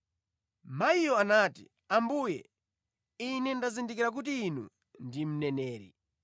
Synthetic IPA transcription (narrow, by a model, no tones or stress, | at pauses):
maijɔanaːtḭ | ambuːjɛ | inɛndazindikiɾak̬utiːnṵ | ndim̩nɛnɛːɾḭ